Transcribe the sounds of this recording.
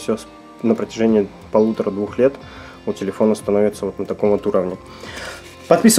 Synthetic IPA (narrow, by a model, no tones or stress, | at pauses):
fsʲos | nəpɾətʲɪʐɛnʲɪː | pɐlˠut̪əɾəd̪vuxlʲet̪ | utʲɪlʲɪfo̞nəst̪ɐno̞vʲɪt̪səvo̞t̪nət̪ɐko̞mvot̪uɾəvnʲɪ | pɐt̪pʲisə